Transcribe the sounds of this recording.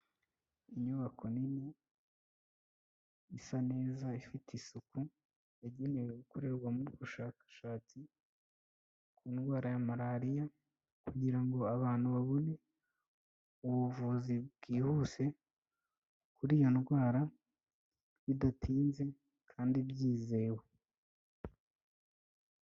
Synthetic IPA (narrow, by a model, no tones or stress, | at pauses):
iɲuβako̞nini | isane̞ːzaifitisuku | jaɟe̞ne̞weɡuko̞ɾe̞ɾɡwamuɾuβuʃaːkḁʃaːt͡si | kuːnɡwaːɾajamaɾaɾija | kuɟiɾaŋɡo̞aβaːn̥huβaβone̞ | uβuvuzibɡiːhuse̞ | kuɾijo̞nɡwaːɾa | jidatʰiːnze̞ | kʰaːndibɟiːzewe